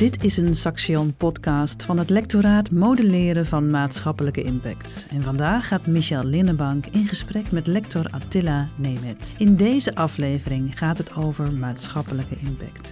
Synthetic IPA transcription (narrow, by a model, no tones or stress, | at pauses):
d̥ɪtʰɪsənsɑksjɔnpɔtkɑstfɑnɦətlɛk̚toɾaːtmowdəlɪːɾəvɑnmaːtsχɑpələkəɪmpɛ̰ktɛnvɑndaːχaːtmiʃɛlˠlɪnəbɑŋkɪnχəsprɛkmɛtlɛktɔra̰tɪlanejmɛtɪndejzəʔɑfleːvərɪŋχaːtɦətʰowvəɹmaːtsχɑpələkəʔɪmpɛ̰kt